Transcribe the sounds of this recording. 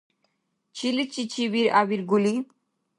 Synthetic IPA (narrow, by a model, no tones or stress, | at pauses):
t͡ɕʰilit͡ɕit͡ɕʰiβiɾa̰biɾɡuli